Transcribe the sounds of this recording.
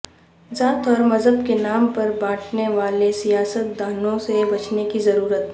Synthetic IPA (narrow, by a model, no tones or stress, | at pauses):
zaːt̪ɔːɾmɐzɦəbkenaːmpɐɾbãːʈʰneʋaːlesijaːsət̪̚d̪aːnõsebɐt͡ʃnekizɐɾuːɾət̪